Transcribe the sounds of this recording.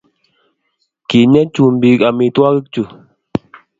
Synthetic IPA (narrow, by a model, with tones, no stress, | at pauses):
ki˨ɲɛ˦t͡ʃu˦˨m̩˨bi˨˦ka˨mi˨twa˦ɣɨ˦k̚t͡ʃu˨